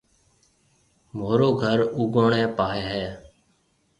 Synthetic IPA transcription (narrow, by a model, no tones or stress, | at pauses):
moːɾoːɡʱəɾuːɡoːɳɛ̃ːpaːɦɛːɦɛː